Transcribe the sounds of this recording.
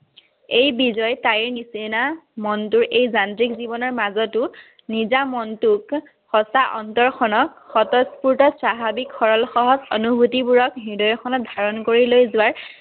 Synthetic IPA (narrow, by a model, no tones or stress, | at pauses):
ejbizɔjtajɹnisenamɔntuɹʔejzantɹikzibɔnɔɹmazɔtʊ | nizamɔntuk | hɔsaʔɔntɔɹxʰɔnɔkxɔtɔspuɹtɔsɹaɦabikxɔɹɔlxɔɦɔzonubʱutibuɹɔkɦidɔjɔkʰɔnɔt̚d̪ʱaɹɔnkoɹilojzʊwaɹ